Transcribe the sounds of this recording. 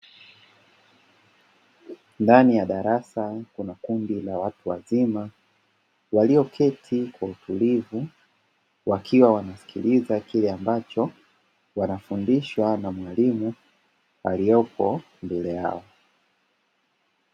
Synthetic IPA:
ndanijaɗaɾasakunakundilawatuwa̰zima | waliɔkʰɛtʰikwautulivu | wakʰiwawanasi̥kʰilizakilɛambat͡ʃɔ | wanafundiʃwanamwalimu | alijɔpʰɔ | mbɛlɛja̰ɔ

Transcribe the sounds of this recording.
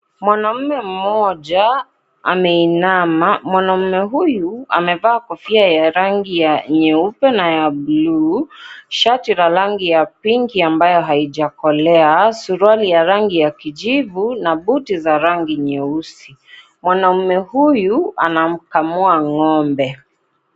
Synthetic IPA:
mwanam̩mɛm̩mɔʄa | a̰mɛinamamwanam̩mɛɦujua̰mɛvaːkɔfiajaɾaŋɡijaɲɛupɛnajablu | ʃatiɾaɾaŋɡijapiŋɡiambajɔɦaiʄakɔlɛasuɾwalijaɾaŋɡijakiʄivunaɓutizaɾaŋɡiɲɛusi | mwanam̩mɛhujua̰nam̩kamuaŋɔmbɛ

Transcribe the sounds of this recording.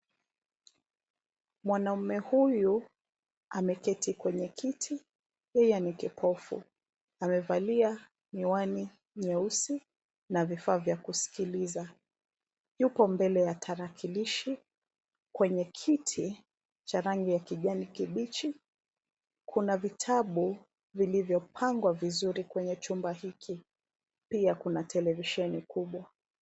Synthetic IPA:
mwanam̩mɛhuju | amɛkɛtʰikwɛɲɛkʰitʰi | jɛjɛanikɛpʰɔfṵ | amɛvalia | niwani | ɲɛusi | navifaːvjakusi̥kiliza | jupɔmbɛlɛjatʰaɾakʰiliʃi | kwɛɲɛkʰitʰi | t͡ʃaɾaŋɡijakiʄanikiɓit͡ʃi | kʰunavitʰaɓu | vilivjɔpʰaŋɡwavizuɾikwɛɲɛt͡ʃumbahikʰi | piakunatɛlɛviʃɛnikuɓwa

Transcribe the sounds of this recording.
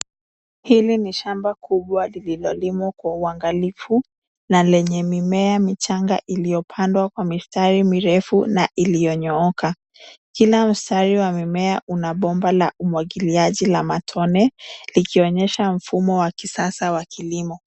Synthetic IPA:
hiliniʃambakʰuɓwalililɔlimakwauaŋɡalifu | nalɛɲɛmimɛamit͡ʃaŋɡa̰ʔilijɔpʰandwakwamistaɾimiɾɛfunaʔilijɔɲɔɔkʰa | kilam̩staɾiwamimɛaʔunaɓɔmbalaumwaɠiliaʄilamatʰɔnɛlikiɔɲɛʃam̩fumɔwakisasawakʰilimɔ

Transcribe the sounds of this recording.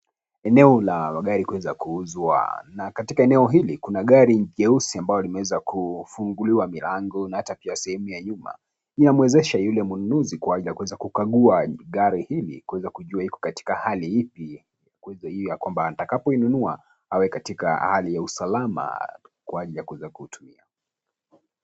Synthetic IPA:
ɛnɛɔlamaɠaɾikuwɛzakuuzwa̰nakatikaɛnɛɔɦilikunaɠaɾiʄɛusiambajɔlimɛwɛzakufuŋɡuliwamilaŋɡɔnahatapiasɛhɛmujaɲuma̰ | inamwɛzɛʃajulɛmununuzikwaaɟilijakuwɛzakukaɠuaɠaɾihilḭkuwɛzakuʄuahikɔ̥kati̥kahalihipi | jakuɛzahijɔjakwambantakapɔinunua̰ | awɛkatika̰halijausalama̰kwaːʄilijakuwɛzakuhutʰumia

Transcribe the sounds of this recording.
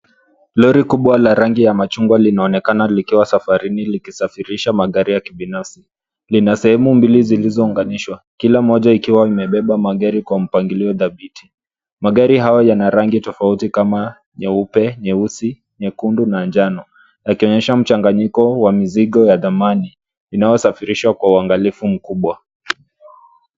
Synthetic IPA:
lɔɾikuɓwalaɾaŋɡijamat͡ʃuŋɡwalinaɔnɛkanalikiwasafaɾinilikisafiɾiʃamaɠaɾijakiɓinafsi | linasɛhɛmumbilizilizɔuŋɡaniʃwa | kilam̩ɔʄaikiwaimɛɓɛɓamaɠaɾikwam̩paŋɡiliɔðaɓiti̥ | maɠaɾiɦajɔjanaɾaŋɡitɔfautikama | ɲɛupɛɲɛusi | ɲɛkundunand͡ʒanɔ | jakiɔɲɛʃam̩t͡ʃaŋɡaɲikɔwamiziɠɔjaðamaniː | najɔsafiɾiʃwakwauaŋɡalifum̩kuɓwa

